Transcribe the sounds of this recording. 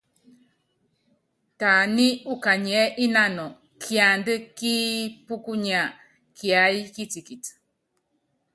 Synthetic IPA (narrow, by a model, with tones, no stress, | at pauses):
ta˨ni˦u˦ka˨ɲɛ˦ʔi˦na˦nɔ˨ | kʰi˨a˨ndə˦ki˦pu˦ku˦ɲa˨ | kʰi˨a˨˦jki˦t͡si˨ki˨t